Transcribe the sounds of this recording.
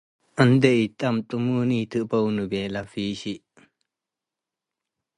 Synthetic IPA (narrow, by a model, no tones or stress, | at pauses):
ʔɐnd̪ɛʔit̪ʼɐmt̪ʼumunit̪ʰɯʔpownɨbɛlafiɕiʔ